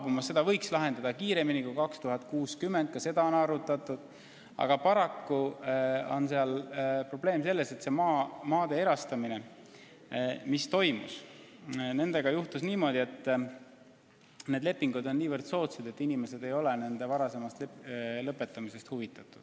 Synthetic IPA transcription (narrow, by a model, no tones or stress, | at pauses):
b̥umɑssːe̞d̪̥ɑvɤ̞jkslɑɦe̞nd̪ɑd̪̥ɑkiːɾe̞minikujkɑkst̪uɦɑt̪̚kuːskymːe̞nd̪̚kɑse̞d̪ɑo̞nɑɾut̪ːˑɑt̪ˑud̪̥ | ɑ̰ɡ̥ɑpɑɾɑkːu | o̞̰nseɑlpro̞b̥le̞ːmse̞lːe̞se̞t̪se̞mɑːmɑːd̪e̞e̞ɾɑst̪ɑmine̞ | mist̪o̞jmus | ne̞nd̪̥e̞ɡ̥ɑjuht̪usniːmo̞ːd̪̥ʲie̞t̪ːˑ | ned̪le̞pːiŋɡ̥ud̪o̞nːiːvərd̪̥so̞ːt̪sed̪̥e̞t̪ːˑinime̞se̞d̪e̞jo̞le̞ne̞nd̪e̞vɑɾɑse̞mɑst̪llɤpːˑe̞t̪ːˑɑmise̞st̪huvit̪ːˑɑt̪ːˑud̥